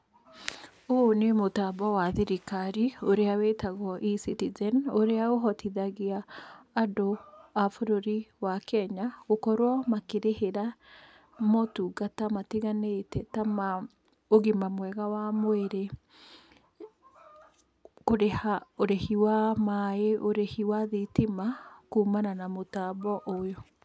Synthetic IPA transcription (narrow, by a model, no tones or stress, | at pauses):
oonemotaːbɔwaðiɾikaɾioɾeawetaɣɔʔisitizɛnoɾeaoɦɔtiðaɣiaː | doafoɾoɾiwakɛɲaɣokɔɾwɔmakeɾeheɾa | mɔtuːɣatamatiɣanetɛtama | oɣimamwɛɣawamoeɾe | koɾehaoɾehiwamaeʔoɾehiwaðitimakuːmananamotaːbɔʔojo